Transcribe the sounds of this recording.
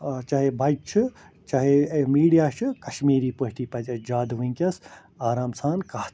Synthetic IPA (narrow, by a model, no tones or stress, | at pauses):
t͡ʃɐɦebʱɐjt͡ʃʰɨ | t͡ʃɐɦemiːɽijaːʃʰɨkɐʃmiːɾiːpoɦʈiːpɐd͡ʒɐd͡ʒaːd̪ʋĩŋkʲɐs | aːɾaːmsaːnkaːt̪